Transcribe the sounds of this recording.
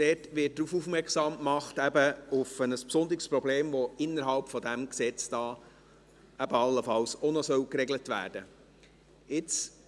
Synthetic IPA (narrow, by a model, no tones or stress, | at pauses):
d̥ɛːtʋɪt̚d̥ɾufufmɛɾkχsɑːmkmɑχtæbəʊfənəspsʊnd̪əɾɪɡspɾɔbleːmʋɔɪnːəɾɦɑlpfɔd̪æmksɛt͡sd̥ɑː | æbəɑlːəfɑlsɔnɔsœwkɾɛɡlətʋæ̰ːɾd̥ə | ɪt͡s